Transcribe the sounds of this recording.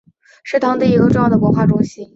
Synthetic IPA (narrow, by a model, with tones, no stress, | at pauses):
ʂɻ̩˥˩t̪ʰɑ˧˥ŋt̪i˥˩i˧˥ɡʈ͡ʂʊ˥˧ŋjɑ˥˩d̪ə˩wɔ˧˥xwa˥˩ʈ͡ʂʊ˥ŋɕi˥n